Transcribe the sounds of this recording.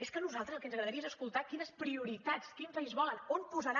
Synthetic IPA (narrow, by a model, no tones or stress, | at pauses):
eskənuzalˠt̪ɾəzlˠkɛənəɣɾəðəɾiezəskulˠt̪akinəspɾiuɾit̪at͡skimpaizβɔlənonpuzəɾa